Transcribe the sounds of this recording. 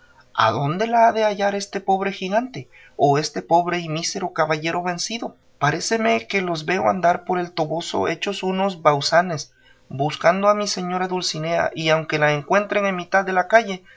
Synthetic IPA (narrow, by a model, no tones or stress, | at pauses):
a̰ðo̞nd̪e̞laaðe̞aʝaɾe̞st̪e̞po̞βɾe̞xiɣant̪e̞ | oe̞st̪e̞po̞βɾe̞imise̞ɾo̞kaβaʝe̞ɾo̞βe̞nsiðo̞ | paɾese̞me̞ke̞lo̞zβe̞o̰a̰nd̪aɾpo̞ɾe̞lt̪o̞βo̞so̞̰ʔe̞̰t͡ʃo̞sunozβawsane̞s | buskand̪oamise̞ɲo̞ɾaðulsine̞a̰ʔiawŋke̞laeŋkwe̞nt̪ɾe̞ŋenmit̪aðːe̞lakaʝe̞